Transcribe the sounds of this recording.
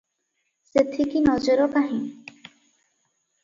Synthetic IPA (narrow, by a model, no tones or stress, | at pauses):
set̪ʰikinɔd͡ʒɔɾɔkaɦĩ